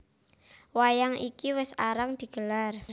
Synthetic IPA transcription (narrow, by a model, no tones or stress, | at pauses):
wajaŋikiwɪsaɾaŋd̪̥i̤ɡ̥əlar